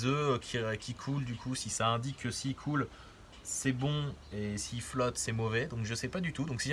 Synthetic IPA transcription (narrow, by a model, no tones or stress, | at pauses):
zøkʲʰikʲʰikʰuld̪ykʰusisaɛ̃d̪ikʰːəsiːkʰul | sɛbɔ̃esiːflɔt̪sɛmɔvɛd̪ɔ̃kʒəsɛpad̪yt̪ud̪ɔ̃ksi